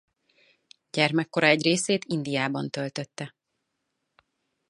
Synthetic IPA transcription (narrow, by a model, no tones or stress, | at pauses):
ɟ̥ɛrmɛkːo̞ɾɒɛɟreːseːt̪ind̪ijaːbɒnt̪ølt̪øt̪ːɛ